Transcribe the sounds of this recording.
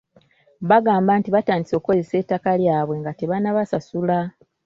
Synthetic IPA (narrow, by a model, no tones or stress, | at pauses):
βaɡaːmbantiβataːndiso̞ːko̞ze̞se̞ːtːakaljaːβwe̞ŋɡateβanaβasasula